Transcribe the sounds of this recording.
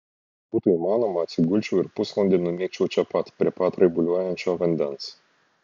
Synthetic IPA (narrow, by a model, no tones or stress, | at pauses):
b̥uːt̪ʊimɑːnɔmɐɐt̪ʲsʲɪɡʊlʲt͡ʃʲɛʊɪɾpʊslˠɐnʲd̪ʲɛnʊmʲiɛk̚t͡ʃʲɛʊt͡ʃʲɛpɐt̪pʲɾʲiɛpɐt̪ɾɐɡʊlʲuɔjɛnʲt͡ʃʲoːʋɐnʲd̪ʲɛns